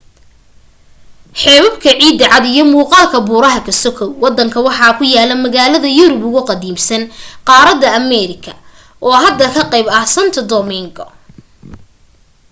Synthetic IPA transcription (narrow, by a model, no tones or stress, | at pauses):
ħɛːβɐbkʰɐʕiːd̪ɐʕɑd̪ijɞmuːqɑːlkʰɐbuːɾɐɦɐkʰɐsɔkʰɔwwɑd̪ːɐŋkʰɐwɑħɑːkʰʊjaːlɐmɐɣaːlɐðɐjʊɾʊbʊɣʊqɑd̪iːmsɐnqɑːɾɐd̪ɐːmɛɾɪkʰɐ̥ | ʔɔːɦɐd̪ːɐkʰɐqejbɐsɐnt̪ʰɐd̪ɔmɪŋɡɔ̰